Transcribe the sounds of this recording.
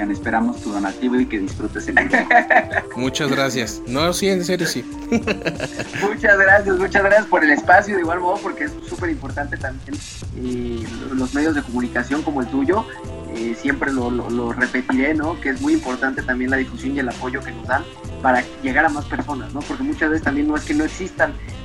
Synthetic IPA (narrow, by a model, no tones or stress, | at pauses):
anespe̞ɾamo̞st̪uɣonat̪iβoike̞ðisfɾut̪e̞se | mut͡ʃazɣɾasjas | nosiens̬eɾjosi | mut͡ʃazɣɾasjazmut͡ʃazɣɾasjaspo̞ɾe̞le̞spasjoðeiɣwalmo̞ð̞opo̞ɾke̞essupe̞ɾimpo̞ɾt̪ant̪e̞t̪ambje̞n | elo̞zme̞ðjo̞zð̞e̞komũnikasjo̞ŋko̞moelt̪uʝo̞ | esjempɾe̞lo̞lo̰lo̞re̞pe̞t̪iɾe̞no̞kee̞zmujimpo̞ɾt̪ant̪e̞t̪ambje̞nlað̞ifusjonielapo̞ʝo̞ke̞no̞zðan | paɾa | ʝe̞ɣaɾamaspe̞ɾso̞nazno̞po̞ɾke̞mut͡ʃazβesest̪ambje̞nːo̞e̞skeno̞e̞ksist̪an